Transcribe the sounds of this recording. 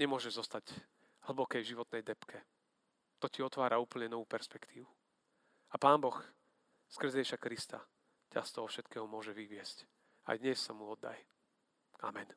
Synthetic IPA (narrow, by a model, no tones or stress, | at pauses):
ɲɛmʊɔʒɛʒzɔst̪aɟ | ɦl̩bɔkɛjvʒiʋɔt̪nɛjd̪ɛpkʰɛ | t̪ɔciɔt̪ʋaːɾauːpl̩ɲɛnɔʋuːpɛɾspɛkt̪ʰiːʋu | apaːnbɔx | skr̩zɛɛiʃakɾist̪a̰ | cast̪ɔɦɔfʃɛt̪kɛːɦɔmʊɔʒɛʋiʋɪɛsc | a̰jd̪ɲɛsːamuɔd̪ːa̰j | a̰mɛn